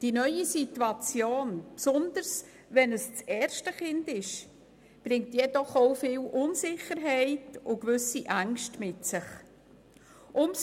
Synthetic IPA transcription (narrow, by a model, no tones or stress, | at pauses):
d̥inœʏisitwɑt͡sjoːnpsʊnd̪əɾs | vɛnəst͡sɛːɾʃtəχɪndɪʃ | b̥ɾɪŋtjɛd̥ɔχowfɪːlʔʊnsɪχəɾɦɛɪtʊkvʏsiʔæŋʃtmɪtsɪχ | ʔʊms